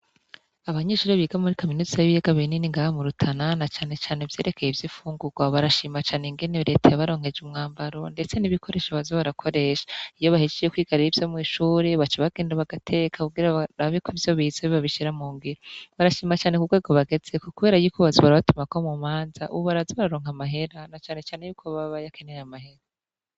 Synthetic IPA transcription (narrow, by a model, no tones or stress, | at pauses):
aβaɲeːʃuːɾeβiːɡamuɾikominuzajiβijeɡaβininiŋɡahamuɾutʰananat͡ʃaːne̞t͡ʃaːnevje̞ːɾe̞kʰe̞jevjifuːŋɡuɡ̥waβaɾaʃiːmat͡ʃaːneŋɡe̞neɾe̞tajaβaɾo̞ːŋ̥he̞d͡ʒumŋaːmbaɾo̞nde̞t͡se̞niβikʰo̞ɾe̞ːʃaβazoβaɾakʰo̞ɾe̞ʃḁijo̞βahid͡ʒeekwiːɡaɾiɾivjo̞mŋiːʃuːɾe̞βat͡ʃeβaɡeːndaβaɡatʰe̞ːkʰauɡiɾaɾaβikoivjo̞βizeβiβaβiʃiɾamuːŋɡiɾoβaɾaʃiːmat͡ʃaːnekuɡwe̞ːɡo̞βaɡe̞z̥e̞kukuβeːɾajukoβazoβaɾaβatumakomumaːnzaʔuββaɾazoβaɾaɾo̞ːŋamaɦe̞ɾanat͡ʃaːne̞t͡ʃaːnejuːkʰoβaβajakenejamahe̞ɾa